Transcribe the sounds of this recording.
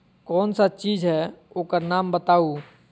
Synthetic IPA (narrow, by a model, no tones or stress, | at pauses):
kɔːnsat͡ʃiːd͡ʒɦɛokəɾnaːmbət̪aːu